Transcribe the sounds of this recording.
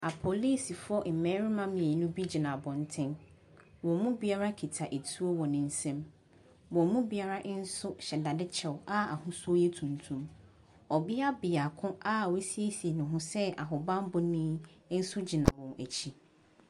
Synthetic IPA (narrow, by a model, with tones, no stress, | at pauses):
a˨pʰɔ˨li˦si˨fʊ˦ɔ˦ʔm̩˨mɛ̃˦ɾɪ˦mã˦mĩ˨e˨nʊ̃˦bi˦d͡ʑi˨nã˨bɔ̃˨n̩˨˦tʰɪ̃˦n | wɔ̃˨mũ˦bi˦a˦ɾa˦kʰi˨tʰa˨ʔe˨tʰu˦o˦wɔ˨nɪ̃˨n̩˦sɛ̃˦m | wɔ̃˨mũ˦bi˦a˦ɾa˦ʔn̩˦sʊ˦ɕɛ˨da˨dɪ˦t͡ɕʰɛ˨wa˦a˨hʊ̃˦su˦o˦jɛ˦tʰũ˨ntʰũ˦m | ɔ˨bɪ˦a˦bɪ˨a˨kʰʊ̃˦a˦˨wo˦si˦e˦si˨e˨nʊ̃˨ɦʊ̃˦sɛ˦ʔa˨ɦʊ˨bã˦m˦bʊ˦nĩ˦n̩˦sʊ˦d͡ʑi˨nã˨wɔ̃˨æ˨t͡ɕʰi˦